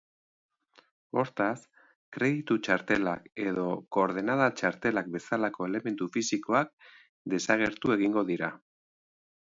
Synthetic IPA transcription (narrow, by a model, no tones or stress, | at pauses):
o̞ɾt̪as | kɾe̞ðit̪ut͡ʃaɾt̪e̞la̰ke̞ðo̞ko̞ːɾð̞enað̞at͡ʃaɾt̪e̞lak̚be̞salako̞e̞le̞me̞nt̪ufisiko̞ak̚ | d̪e̞saɣe̞ɾt̪ue̞ɣ̞iŋɡo̞ðiɾa